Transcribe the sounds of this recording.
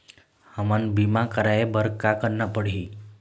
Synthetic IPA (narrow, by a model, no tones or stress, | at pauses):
hamənbimakəɾajebəɾkakəɾnapəɽi